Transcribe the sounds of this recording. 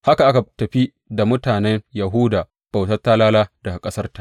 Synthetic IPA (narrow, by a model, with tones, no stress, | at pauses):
ha˦ka˨ʔa˦ka˨tɐ˨ɸi˦ | da˨mʊ˦taː˨nɛ˦ŋjɐ˨ɦʊː˦daː˨ | b̥a˨wtɐ˦tːa˦laː˦laː˦dɐ˨ɡa˨kʼɐ˦sɐ˦rta˨ʔ